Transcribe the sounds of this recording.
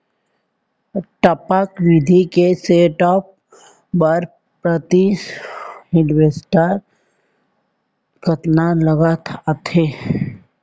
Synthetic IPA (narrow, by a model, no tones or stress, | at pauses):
ʈəpakʋɪd̪ʱikeseːʈɔːp̚ | bəɾ | pɾət̪isɦɪɖwesʈaːɾ | kət̪naləɡat̪ʰat̪ʰeː